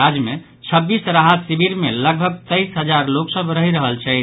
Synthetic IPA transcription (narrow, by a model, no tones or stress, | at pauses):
ad͡ʒme | t͡ʃʰəbːisɾaɦət̪sibiɾmeləɡ̚bʱəɡ̚t̪əjsɦəd͡ʒaɾloksəbɾəɦiɾəɦəlt͡ʃʰɛ